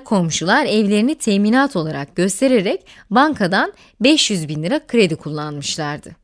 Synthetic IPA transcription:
kʰo̞mʃulˠaɾɛvlʲe̞ɾinit̪ʰemiːnaːt̪ʰo̞lˠaɾak̚ɟ̥ø̞st̪ʰe̞ɾe̞ɾɛc | baŋkʰad̪an | bɛʃjyzbinlʲiɾakʰɯɾe̞d̪ikʰulˠːanmɯʃlˠaɾd̪ɯ

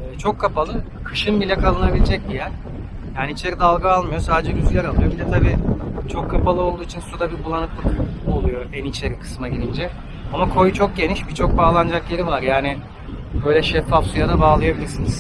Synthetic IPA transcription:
ɛːt͡ʃʰo̞kʰːapalˠɯ | kʰɯʃɯnbilʲɛkʰalˠɯnabilʲid͡ʒɛc̚d̪ijæɾ̥ | jaːniit͡ʃʰe̞ɾid̪alˠɡaalˠmɯjo̞saːd̪ed͡ʒɛɟyzylʲæɾalˠujo̞bid̪ɛt̪ʰabiːt͡ʃʰo̞kʰːapalˠɯo̞lˠd̪uːit͡ʃʰinsud̪abibulˠanɯk̪lˠɯko̞lˠujo̞ɛnit͡ʃʰe̞ɾikʰɯ̥smaɟilʲind͡ʒɛ | amakʰo̞jt͡ʃʰok̚ɟe̞niʃbit͡ʃʰo̞k̚baːlˠand͡ʒakjʲe̞ɾivaɾjaːnɪ | bø̞jlʲɛʃɛfːafsujad̪abaːlˠajabilʲiɾsiniz̥

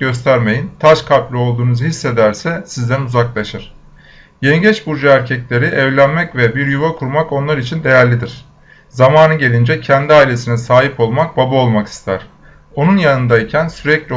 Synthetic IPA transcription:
ɟø̞s̬t̪ʰæɾme̞jint̪ʰaʃkʰaplʲio̞lˠd̪uːnuzhisːe̞d̪æɾsɛsizd̪ʲænuzaklˠaʃɯɾ̥ | jeniɟɛt͡ʃbuɾd͡ʒaæɾcʰɛclʲe̞ɾiʔɛvlʲænmɛcvɛbiɾjuvakʰuɾmako̞nlˠaɾit͡ʃʰind̪e̞jæɾlʲid̪iɾ̥ | zamaːnɯɟe̞lʲind͡ʒɛcʰɛnd̪iaːilʲe̞sinɛsaːɦipo̞lˠmak̚babao̞lˠmaki̥st̪ʰæɾ̥ | o̞nunjanɯnd̪aicʰænsyɾɛclʲ

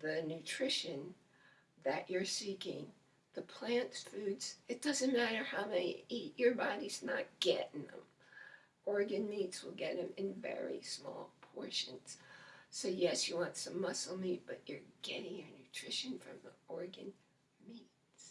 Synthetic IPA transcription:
ðɨnʉtʰɹ̥ɪʃɨ̃n | ðɨt͡ʃə˞sikɪ̃ŋ | ðɨpʰl̥æ̃ntsfʉdz̥ɨt̚d̥ʌzɨ̃nmæɾə˞haʊmɛniit͡ʃə˞bɑɾiz̥nə̰t̚ɡ̥ɛɾɪ̃ŋðə̰̃m | ɔɹɡɨ̃nmitswəlˠɡɛɾɨ̃mɨ̃nvɛ̰ɹḭsmɔ̰lˠpʰɔɹʃɨ̃nz̥soʊjɛsjɨwɑ̃ntsʌ̃mʌsl̩ˠmit̚b̥ʌt͡ʃə˞ɡ̥ɛɾɪ̃ŋjə˞nʉtʰɹ̥ɪʃɨ̃nfɹʌ̰̃mðiɔɹɡɨ̃n | mit | s

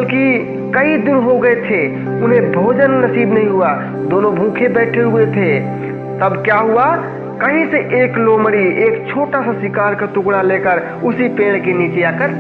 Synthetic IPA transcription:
bəlki | kəid̪inɦoɡəɛt̪ʰe | unẽbʱod͡ʒənːəsibnəɦĩɦua | d̪onobʱũkʰebɛʈʰeɦuet̪ʰe | t̪əbkjaɦua | kəɦĩseʔekloməɾiekt͡ʃʰoʈasə̃sikaɾket̪uɡɽ̃alekəɾ | usipeɽ̃kenit͡ʃijakəɾ

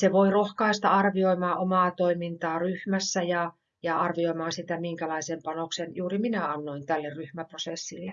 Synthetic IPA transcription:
seʋoirohkɑist̪ɑɑrʋioimɑːʔomɑːt̪oimint̪ɑːryhmæsːæjɑ | jɑɑrʋioimɑːsit̪æmiŋkælɑisempɑnoksenjuːriminæɑnːoint̪ælːerryhmæprosesːilːe

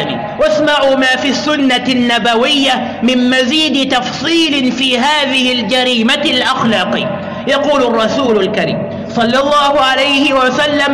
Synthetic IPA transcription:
mḭː | wasmaʕuːmaːfiːsːʊnːanːabawɪjːa | mɪmmaziːd̪ɪt̪ɑfsˤiːlɪfiːɦaːðɪhɪld͡ʒaɾiːmalʔaxlɑːqḭː | jɑquːlɑrˤːɑsuːlʊlkaɾḭːm | sˤɑlːɑlˤːɑːhʊʕalajhɪwasalːam

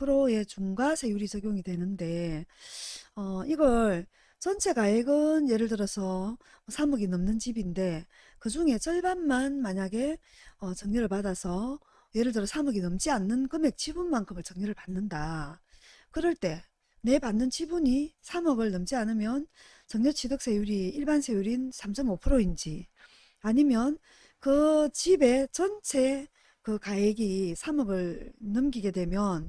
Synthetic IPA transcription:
pʰɯɾoe̞t͡ɕuŋɡasʰe̞juɾisʰʌɡjoŋidwe̞nɯnde̞ | ʌiɡʌɭ | t͡ɕʌnt͡ɕʰe̞ɡaeɡɯnje̞ɾɯɭtɯɾʌsʰʌ | sʰamuɡinɯmnɯnt͡ɕibinde̞ | kɯd͡ʑuŋe̞t͡ɕʌɭbanmanmaɲaɡe̞ | ʌt͡ɕʌŋɲʌɾɯɭpadasʰʌ | je̞ɾɯɭtɯɾʌsʰamʌɡinɯmt͡ɕianːɯnkɯme̞k̚t͡ɕʰibunmaŋkʰɯmɯɭt͡ɕʌŋɲʌɾɯɭpanːɯnda | kɯɾʌɭt͈e̞ | ne̞panːɯnt͡ɕʰibuɲisʰamʌɡɯɭnʌmd͡ʑianɯmjʌn | t͡ɕʌŋɲʌt͡ɕʰidok̚s͈ʰejuɾiiɭbansʰejuɾinsʰamt͡ɕʰʌmopʰɯɾoind͡ʑi | aɲimjʌn | kɯt͡ɕibe̞t͡ɕʌnt͡ɕʰe̞ | kɯkaeɡisʰamʌɡɯɭnɯmɡiɡe̞dwe̞mjʌn

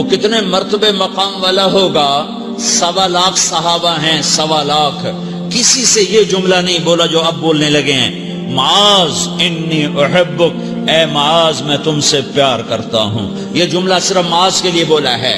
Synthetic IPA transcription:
okɪt̪nemɐɾt̪əbemɐqaːmʋaːlaɦoːɡaː | sɐʋalaːkʰsɐɦaːbaɦɛ̃sɐʋalaːkʰ | kɪsisejed͡ʒʊmlanɐɦĩboːlad͡ʒoːɐb̚ːoːlnelɐɡeɦɛ̰̃ː | mɐaːzɪnːiːʔʊħɪbːʊk | ɛːmɐaːzmɛ̃ːt̪ʊmsepjaːɾkɐɾt̪a̰ɦṵ̃ː | jed͡ʒʊmlasɪɾəfmɐaːzkelieboːla̰ɦɛ̰ː

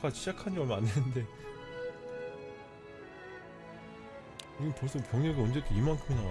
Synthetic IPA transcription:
kad͡ʑiɕʰid͡ʑakʰand͡ʑʌmanːende̞ | iɡɯmpos͈ʰʌpjʌŋeɡɯʌnd͡ʑe̞t͈ʰoimaŋkʰɯnaŋ

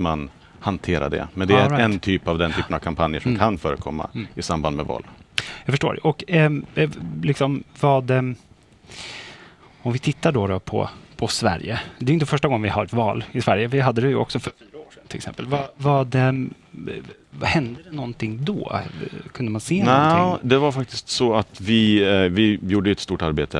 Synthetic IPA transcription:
man | hant̪ʰeːɾa̰ɖ̪ɛ̰mɛnd̪ɛɛɾaɛnt̪ʰyːpavd̪ɛnt̪ʰyːpənavkʰampʰanjəʂɔmkʰanfœːɾəkʰɔmːa̰ɪsamband̪mɛvɔ̰ːlːjɑːfœʂʈoːɖɛ̰ʔɔk | lɪksɔmvɑd̪ | ɔmvɪt̪ʰɪt̪ːaɖɔɾɔpʰɔ̰pʰɔsvæ̰ɾjə̰d̪ɛːjʏnt̪əfœʂʈaɡɔŋːənvɪhaɾɛt̪vɑːlɪsvæɾjəvɪɦad̪ːəd̪ɛjəʔɔ̰ksɔfœɾfyːɾaoːʂɛnt̪ʰɪlɛksɛ̰mpəlvavad̪ɛ | vhɛnd̪əd̪ɛnɔnt̪ʰɪŋːd̪ɔ̰ːkʰɵnd̪əmanseːnnad̪ɛvaɾfak̚t̪ɪ̥st̪sɔat̪vɪvɪjuːɖəɛt̪st̪uːʈaɾbḛːt̪ʰə

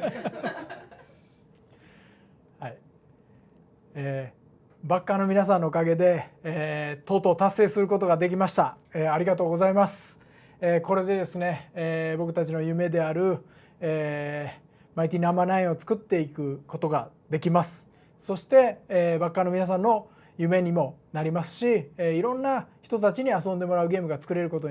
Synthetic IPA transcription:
hai | eː | bakːano̞mʲinas̬ãnːo̞ːkaɡe̞d̪e̞ | t̪o̞ːt̪o̞ːt̪asːe̞ːsɨɾɯ̟ko̞t̪o̞ɡad̪e̞k̬ʲimaɕi̥t̪a | eːaɾʲiɡat̪o̞ːɡo̞zaimasɨ̥ | eːko̞ɾe̞d̪e̞d̪e̞sɨne̞bo̞kɯ̟t̪at͡ɕino̞jɯ̟me̞d̪e̞aɾɯ̟ | e | mait̪ʲinamanaĩo̞t͡sɨ̥kɯ̟t̪ːe̞ikɯ̟kot̪o̞ɡa | d̪e̞kʲimasɨ̥ | so̞ɕi̥t̪e̞bakːano̞mʲinas̬ãnːo̞ | jɯ̟me̞ɲ̟imo̞naɾʲimasɨ̥ɕiiɾõ̞nːaçi̥t̪o̞t̪at͡ɕiɲ̟iasõnd̪e̞mo̞ɾaɯ̟ɡe̞ːmɯɡat͡sɨ̥kɯ̟ɾe̞ɾɯ̟ko̞t̪̬o

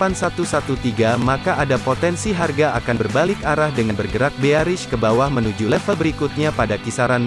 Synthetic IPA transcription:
ansat̪usaut̪iɡamakaʔadapot̪ɛnsiɦarɡaakanbərbalɪkaɾahdəŋanbərɡəɾak̚beaɾɪʃkəbawahmənud͡ʒulɛfəlbəɾikut̪̚ɲapadakisaɾan

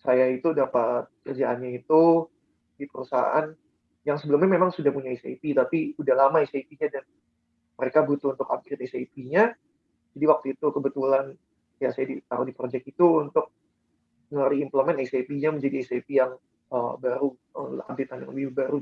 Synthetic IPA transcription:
sajait̪udapat̪̚kərd͡ʒaʔanɲait̪u | dipəɾusa̰a̰n | jaŋsəbəlʊmɲamemaŋsudahpuɲaisḛpit̪apiudahlamaeseipiɲadan | məɾekabut̪uunt̪ʊka̰b̚dɪt̪esepiɲa | d͡ʒadiwak̚t̪uit̪ukəbət̪ulan | jasajadit̪a̰ɾudipɾod͡ʒɛkt̪̚it̪uunt̪ʊk̚ | ŋəɾiimpləmɛnesepiɲaməɲd͡ʒadiesepijaŋ | əbaɾu | ə̰a̰b̚det̪anja̰ŋləbɪhbbaɾu

